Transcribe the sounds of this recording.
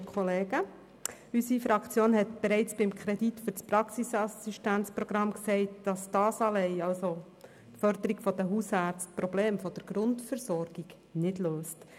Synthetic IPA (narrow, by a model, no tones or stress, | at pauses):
kʰχoleːɡə | ysifɾɑkt͡sjoːnhɛtb̥ɛɾɛɪt͡sb̥ɪmkʰɾɛditfʏɾt͡spɾɑksisɑsiʃtænt͡spɾɔɡ̥ɾɑmksɛɪtd̥ɑsd̥ɑːsɑlɛɪɑlso | tfœɾd̪əɾiɡ̥fɔd̥̪əɦusɑːɾt͡stpɾɔbleːmfɔd̥̪əɾɡ̥ɾʊntfəɾsɔɾɡ̥iɡ | nɪdløːst